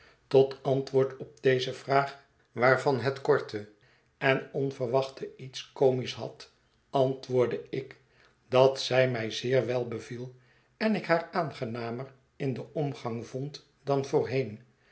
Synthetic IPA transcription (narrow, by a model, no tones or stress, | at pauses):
tɔtɑntʋʊːɹtɔp̚d̥ejzəvraːχ | ʋaːɹvɑnɦɛtkɔɹtʰə | ɛnɔnvərʋɑχtəitskowmisɦɑ̰t | ɑntʋʊːɹdəɪk | d̥ɑtsɛjmɛjzɪːɹʋɛlˠbəvilˠ | ɛnɪkɦaːɹaːnχənaːmər | ɪndəʔɔmχɑŋvɔnt | dɑnvʊːɹɦejn